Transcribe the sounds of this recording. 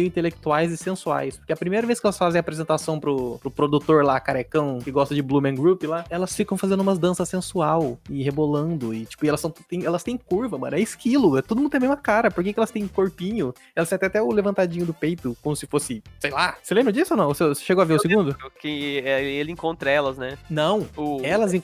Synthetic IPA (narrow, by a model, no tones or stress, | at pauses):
mejʊĩt̪elek̚t̪uajzɪsẽsua̰jspoɾkeɐpɾimejɾɐveskɪɛlɐsfazẽapɾezẽnt̪asɐ̃w̃pɾʊpɾʊpɾod̪ut̪oɾlakaɾekɐ̃w̃kɪɡɔst̪ɐd͡ʒɪblumẽɡɾupɪlaɛlɐsfikɐ̃w̃fazẽnd̪ʊũmɐzd̪ɐ̃sɐsẽsuawɪhebolɐ̃nd̪ʊɪt͡ʃi̥pʊɪɛlɐsɐ̃w̪̃t̪ẽj̃ɛlɐst̪ẽj̃kuɾvɐmɐ̰̃nɛɪskilʊɛt̪od̪ʊmũd̪ẽmezmɐkaɾɐpoɾk̬ekɪɛlɐst̪ẽj̃koɾpĩɲʊ | ɛlɐsj̃t̪ɛ̃j̃at̪ɛʊlevɐ̃nt̪ad͡ʒĩɲʊd̪ʊpejt̪ʊkõmʊsɪfosɪsejlaselẽbɾɐd͡ʒisʊanɐ̃w̃sese̥ʃeɡowaveɾʊsɪɡũnd̪ʊkẽɛelɪẽŋkõnt̪ɾɐɛlɐznɛnɐ̃w̃ʊɛlɐzĩ